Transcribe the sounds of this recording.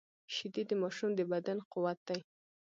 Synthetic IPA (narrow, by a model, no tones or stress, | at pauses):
ʃɪd̪id̪əmɑʃumd̪əbad̪anqʊwat̪̚d̪aj